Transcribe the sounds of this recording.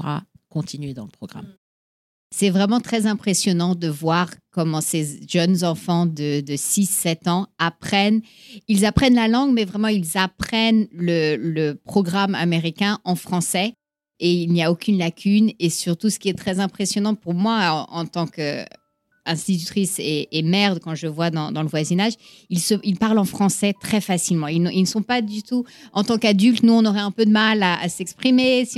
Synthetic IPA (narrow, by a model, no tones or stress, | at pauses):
ʁa̰ | kɔ̃t̪ʰinɥed̪ɑ̃ləpχɔɡʁa̰m | sɛvʁɛmɑ̃t̪χɛzɛ̃pχesjɔnɑ̃d̪əvwaʁkɔmɑ̃seʒənzɑ̃fɑ̃d̪əd̪əsisːɛt̪ɑ̃apχɛn | ilzapχɛnlalɑ̃ɡmɛvʁɛmɑ̃ilzapχɛnlələpχɔɡʁama̰meʁikʲɛ̃ʔɑ̃fχɑ̃sɛ | eilniaokʲynlakʲynesyʁt̪usə̥kʲiɛt̪χɛzɛ̃pχesjɔnɑ̃puʁmwaɑ̰̃t̪ɑ̃kø̰ | ɛ̃st̪it̪yt̪χiseːmɛʁd̪kɑ̃ʒəvwad̪ɑ̃d̪ɑ̃ləvwazinaʒ | ilsəilpaʁlɑ̃fχɑ̃sɛt̪χɛfasilmɑ̃ilnilnəsɔ̃pad̪yt̪uɑ̃t̪ɑ̃kad̪ylt̪nuɔ̃nɔʁɛɛ̃pød̪əmalaa̰sɛkspχimesi